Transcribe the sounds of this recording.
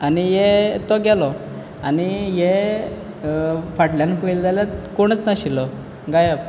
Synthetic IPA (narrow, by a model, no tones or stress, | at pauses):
anijɛt̪ɔɡɛlɔ | anije | faʈljankoild͡z̪alakoɽ̃ət͡snaɕilɔ | ɡajab